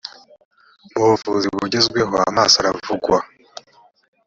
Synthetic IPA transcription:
mufuːziβuɟezɡwe̞ɦoa̰maːsaɾavuɡwa

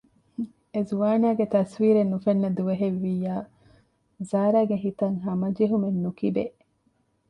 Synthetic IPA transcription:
ezuʋaːnaːɡet̪ɐsʋiːɾenːufɐnːɐd̪uʋeɦeʋːijːaː | zaːɾaːɡeɦit̪ɐŋɦɐmɐd͡ʒeɦumenːukibe

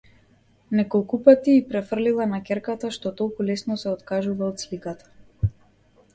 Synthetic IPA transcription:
nɛkɔlˠkupat̪iːpɾɛfr̩lilˠanakʲɛɾkat̪aʃt̪ɔt̪ɔlˠkulɛsnɔsɛɔt̪kaʒuvaɔt̪slikat̪ḁ

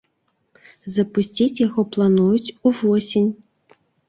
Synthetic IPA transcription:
zɐpusʲt͡sʲit͡sʲjaɣɔplˠanujut͡sʲuvɔsʲinʲ

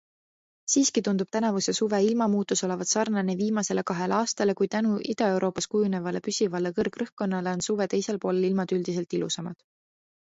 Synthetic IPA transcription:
siːskit̪und̪̥ub̥̚t̪ænɑvuse̞suve̞ilmɑmuːt̪ːˑuso̞le̞vɑd̪̥sɑrnɑneviːmɑse̞le̞kɑɦe̞lɑːst̪ɑlekujt̪ænuʔid̪̥ɑe̞wɾo̞ːpːˑɑskujune̞vɑle̞pysʲivɑlekɤrɡrɤhkːo̞nːɑle̞o̞nsuve̞t̪e̞jse̞lpo̞ːle̞lilmɑd̪̥yld̪ise̞lt̪ilṵsɑmɑd̪̥

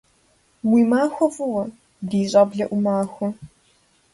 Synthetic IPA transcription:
wiːmaːxʷɔvɨwɐ | diːɕʼɐbɮɐʔʷʊmaːxʷɔ

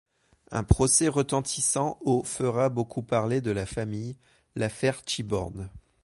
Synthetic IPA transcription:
ɛ̰̃pχɔsɛʁət̪ɑ̃t̪ʰisɑ̃ofəʁabokʰupaʁled̪əlafamij | lafɛʁʃibɔ̰ʁn

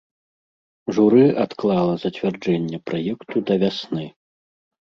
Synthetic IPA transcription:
ʐuɾɨat̪klˠalˠɐzɐt͡sʲvʲard͡ʐɛnʲːɛpɾajɛkt̪ud̪ɐvʲasnɨ

